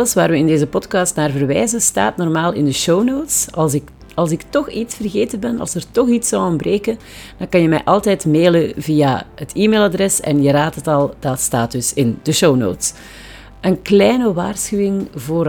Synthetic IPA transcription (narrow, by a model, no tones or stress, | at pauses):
ləsʋaːrʋəɪndeːzəpɔtkɑstnaːrvərʋɛːzəsta̰ːtnɔrmaːlɪndəʃownoːwtsɑsɪk | ɑlˠsɪktɔxitsfərɣeːtəbɛnɑ̰lˠsərtɔxitsɔwɔmbreːkən | d̥ɑ̃nkɑnjəmɛ̰jʔɑlˠtɛjtmeːləvijaɦətʰiːmeːlˠadrɛsɛ̰njəɾaːtɦətɑlˠd̥ɑtsta̰ːt̚dɵsɪnd̥əʃowno̰wts | ʔənklɛjnəʋaːrsxyːwɪŋvoːɾ